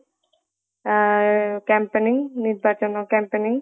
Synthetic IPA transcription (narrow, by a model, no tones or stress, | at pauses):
kampeniŋniɾbʱaːt͡ʃɐnɐkampeniŋ